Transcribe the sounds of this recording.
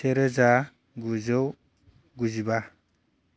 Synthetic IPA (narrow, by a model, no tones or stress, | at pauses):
eɾɯza | ɡuzɯw | ɡuziba